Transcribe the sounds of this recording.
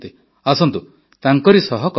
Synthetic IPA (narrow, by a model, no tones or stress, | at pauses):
t̪i | asɔnt̪u | t̪aŋkɔɾisɔɦɔkɔ